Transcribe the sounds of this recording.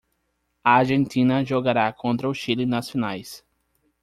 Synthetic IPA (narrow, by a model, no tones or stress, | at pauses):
ɐaɾʒẽnt̪ĩnɐʒoɡaɾakʰõnt̪ɾɐʊʃilɪnɐsfinajs